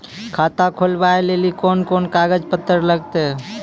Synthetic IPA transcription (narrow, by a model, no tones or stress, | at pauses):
kʰat̪akʰolbaelelikonkonkaɡəd͡ʒpət̪ːəɾləɡt̪e